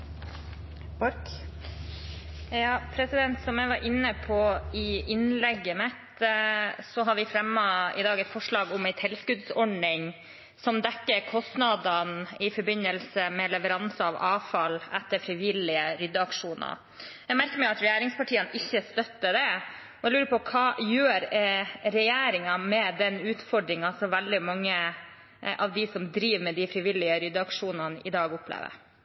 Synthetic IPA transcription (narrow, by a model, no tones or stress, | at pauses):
ɔɾk | jɑːpʰɾɛsɪd̪ɛnt̪sɔmjæɪʋɑɾʔɪnːəpʰɔɪɪnlɛɡːəmɛt̪ | sɔɦɑɾʋɪfɾɛmːəɪ̰d̪ɑːɡɛɪt̪fɔʂɭɑːɡʊmɛɪt̪ʰɛlskʉd̪sɔɖɳɪŋ | sɔmd̪ɛkːəɾkʰɔst̪nɑd̪ɑnɪfɔɾbɪnːəlsəmɛlɛʋəɾɑnsəɑʋʔɑːfɑlɛt̪ːəɾfɾɪʋɪlɪəɾʏd̪ːəɑkʂuːnə̰ | jɛɡmæɾkəɾmɛɑt̪ɾɛjæːɾɪŋspɑʈʰiːənɪçːəst̪œt̪ːəd̪ɛ | ɔɛlʉːɾəpɔkʰɑːjøːɾɾɛjeːɾɪŋɑmɛd̪ɛnʉːt̪fɔɖɾɪŋɑsɔʋɛld̪ɪmɑŋːə | ʔɑʋd̪ɪsɔmd̪ɾiːʋmɛd̪ɪfɾɪʋɪlːɪəɾʏd̪ːəɑkʂuːnɑnəʔɪd̪ɑːɡʊpːlḛːʋə̰ɾ